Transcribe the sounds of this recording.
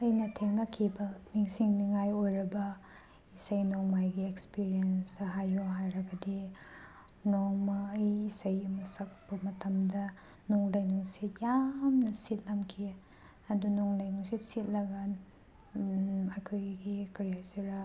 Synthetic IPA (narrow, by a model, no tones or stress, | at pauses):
ɐjnɐtʰeŋnɐkʰːibɐniŋsiŋniŋajojɾɐbɐ | isɐjnoŋmajɡiekspiɾijensɐɦajoɦajɾɐɡɐdi | noŋmɐːjisɐjɐmɐsɐk̚pɐmɐtʰɐmdɐ | nuŋlajnuŋsijamnɐsit̚lɐmkʰi | ɐdunuŋlajnuŋsisit̚lɐɡɐn | ɐjkʰojɡikɐɾijasiɾɐ